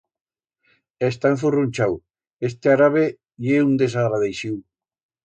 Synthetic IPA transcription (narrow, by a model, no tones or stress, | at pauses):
est̪ãɱfurunt͡ʃaw | est̪eaɾaβe | jeund̪esaɣɾaðejʃiw